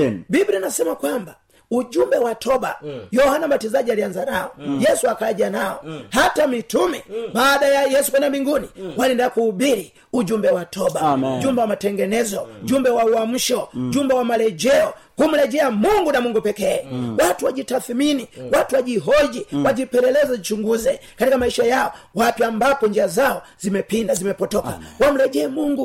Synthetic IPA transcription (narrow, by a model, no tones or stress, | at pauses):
bibɾinasɛmakwamba | ud͡ʒumbɛwatʰɔɓa̰jɔhanambatizaʄialianzanaɔjɛsuakalaʄanaɔhatamitumɛbaːɗajajɛsukwɛnambiŋɡuniwalindakuhːbiɾi | ud͡ʒumbɛwatʰɔbad͡ʒumbɛwamatɛŋɡɛnɛzɔɟumbɛwauam̩ʃɔʄumbawamalɛd͡ʒɛɔkum̩lɛʄɛamuŋɡunamuŋɡupɛkɛɛwatuwaʄitaθminiwatuwaʄiɦɔd͡ʒiwaʄipɛlɛlɛzait͡ʃuŋɡuzɛkatikamaiʃajaɔwapiambapɔɲd͡ʒiazaɔzimɛpindazimɛpɔtɔka̰wam̩lɛʄɛːmuŋɡu